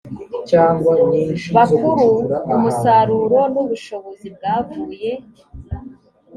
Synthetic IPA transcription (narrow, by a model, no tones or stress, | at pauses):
t͡ʃaːŋɡwaniβakuɾuːmusaɾuɾo̞nuβuʃo̞βo̞zib̚ɡaːvuːje̞